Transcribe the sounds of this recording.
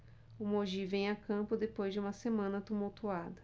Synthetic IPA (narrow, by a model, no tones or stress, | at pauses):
ʊmoʒivẽj̃akɐ̃mpʊd̪epojzd͡ʒɪũmɐsemɐ̃nɐt̪umuwt̪uad̪ɐ